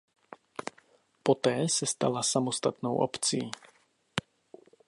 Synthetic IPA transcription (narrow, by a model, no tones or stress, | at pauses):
pɔt̪ɛːsast̪a̰lasamɔst̪at̪nɔʊʔɔ̰pt͡sii